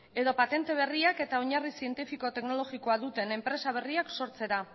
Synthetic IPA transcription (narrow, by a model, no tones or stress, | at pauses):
e̞ðo̞pat̪e̞nt̪e̞β̞e̞riake̞t̪ao̞ɲarisie̞nt̪ifiko̞t̪e̞knolo̞ɣiko̞aðut̪e̞ne̞mpɾe̞saβ̞e̞riakso̞ɾt͡se̞ɾa